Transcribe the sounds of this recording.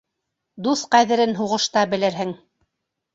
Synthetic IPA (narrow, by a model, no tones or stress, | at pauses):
d̪uθqæðɘ̆ɾɘnɦuʁɤ̆ʃt̪ɑbɘ̆lɘɾɦɘŋ